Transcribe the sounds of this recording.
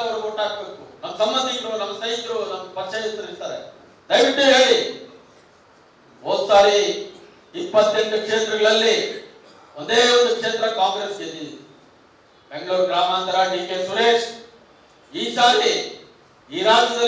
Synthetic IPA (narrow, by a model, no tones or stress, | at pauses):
ɐʋɐɾukoʈːaːɡɐbe̞ːkunɐmːɐsɐmbɐnd̪ʱiɡɐɽunɐmːɐsɐjt̪ɾunɐmɐpɐɾt͡ʃɐjist̪ːɐɾist̪aːɾḛ | d̪ɐjʋiʈːuɦe̞ːɭi | moːd̪usaːɾi | ipːɐt̪ːeɳɖukʂeːnd̪ɾɐɡɐɭɐlːi | ond̪eːond̪ukʂeːnd̪ɾɐkaːŋɡɾeskeːd̪il | be̞ŋɡɐɭuːɾɡɾaːmaːnd̪ɐɾaːɖiːkeːsuɾeːʂ | iːsaːɾi | iːɾaːd͡ʒɐd̪ɐ